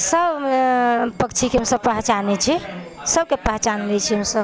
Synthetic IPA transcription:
səb | pəkt͡ʃʰikeɦəmsəbpəɦt͡ʃanɛt͡ʃʰisəb̚kepəɦt͡ʃanlɛt͡ʃʰiɦəmsəb

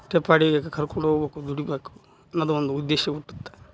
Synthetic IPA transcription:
ʈepaːɽiɡekekʰɐɾkoɳɖoɡbeːkud̪uɽibeːku̥ | nɐd̪uond̪uːd̪ːeːʃɐuʈːu̥t̪ːe̥

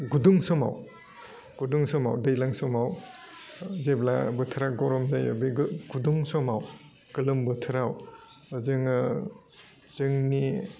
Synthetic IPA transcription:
ɡuduŋsɔma̰w | ɡ̥uduŋsɔma̰wdɯjlaŋsɔmaw | zebla̰bɯtʰɯɾaɡɔɾɔmzajɯbiɡɡ̥uduŋsɔmaw | kɯlɯmbɯtʰɯɾaw | zɯŋɯ | zɯŋni

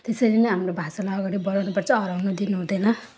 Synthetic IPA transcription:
t̪esʌɾinʌɦamrobʱasalaɦɡʌɾibʌɾawnupʌrt͡sʰʌːɾawnud̪inuɦũd̪ʌjnʌ

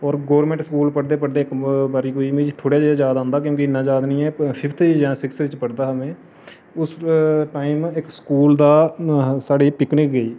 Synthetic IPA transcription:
ɔːɾɡoːɾmẽːɳʈskuːlpəɽd̪eːpəɽd̪eːkbaːɾiːkoːiːmiːd͡ʒʈʰoːɽjaːd͡ʒaːd̪ːd͡ʒjaːd̪ãːnd̪aːk̬jõːkɪɪnːãːd͡ʒaːd̪nĩːɛːpʰɪpʰt̪ʰːd͡ʒãːsɪksʋɪt͡ʃpəɽd̪aːɦəʋẽː | ʊsʈaːimɪkskuːld̪aːsaːɖeːpɪknɪkɡəiː

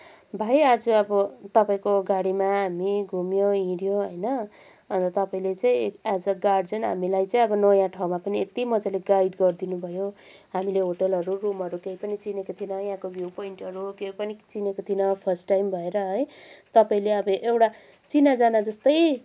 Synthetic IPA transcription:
bʱajad͡zuʌbʌt̪ʌpaĩkoɡaɽimaɦamiɡʱumjoĩɽjoɦʌjnʌ | ʌnt̪ʌt̪ʌpaĩlet͡saĩkad͡zʌɡaɖd͡zʌnɦa̰milajt͡sʌĩʌbʌnʌjãʈʰawmapʌniet̪imʌd͡zaleɡajɖɡʌrd̪inubʱʌjo | ɦamileɦoʈʌlɦʌɾurumʌɾukeipʌnit͡sinekot̪ʰinʌjãkobjupoiɳʈʌɾukeipʌnit͡sinekot̪ʰinʌpʰʌrsʈːajmbʱʌeɾʌɦʌjt̪ʌpaĩleʌbʌʔewʈa | t͡sinad͡zanad͡zʌst̪ʌj

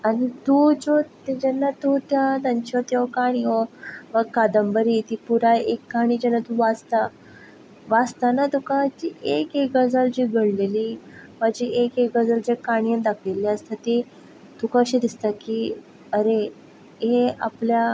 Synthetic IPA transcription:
aɽ̃it̪uːd͡ʑot̪ed͡ʑɛnːat̪ut̪jat̪aɲt͡ɕiot̪eɔkaɽ̃iɔʋəkad̪əmbəɾiːt̪iːpuɾaekːaɽ̃iːd͡ʑɛnːat̪uʋad͡zt̪a | ʋad͡zt̪anat̪ukad͡ʑiʔekekɡəd͡zəld͡ʑiːɡʱəɽleliːmad͡ʑiekekɡəd͡zəld͡ʑakaɽ̃ijənd̪akʰelaəst̪at̪i | t̪ukaɕẽd̪ist̪aki | əɾe | ɦeaplja

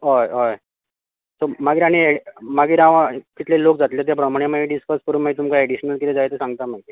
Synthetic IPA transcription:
ɦɔjɦɔj | t̪omaɡiːɾaɽ̃iemaɡiːɾaʋakit̪lelok̚d͡zat̪let̪jap̬ɾəm̤aɽ̃emaɡiɖiskəskəɾumaɦit̪umkaeɽiɕnəlkit̪ed͡zajt̪esãŋɡt̪amait̪e

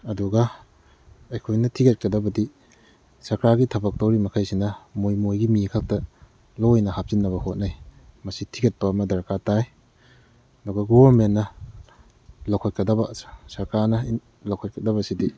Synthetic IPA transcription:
ɐduɡɐ | ɐjkʰojnɐtʰiɡɐt̚kɐdɐbɐdi | sɐɾkɾaɡitʰɐbɐk̚towɾimɐkʰajsinɐmojmojɡimikʰak̚tɐ | lojnɐhap̚zinːɐβɐhot̚najmɐsitʰiɡɐt̚pɐːmɐdɐɾkataj | ɐduɡɐɡobɐɾmenːɐ | lawkʰat̚kɐdɐbɐssɐɾkɾanɐi | lawkʰɐt̚kɐdɐbɐsidi

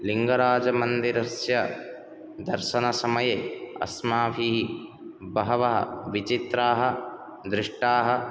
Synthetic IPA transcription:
liŋɡɐɾaːd͡ʒɐmɐnd̪iɾɐsjɐ | d̪ɐɾʃɐnɐsɐmɐjeɐ̰smaːʋʱiɦi | bɐɦɐʋɐɦɐ̰ʋit͡ʃit̪ɾaːɦɐ | d̪ɾɪʂʈaːɦɐ

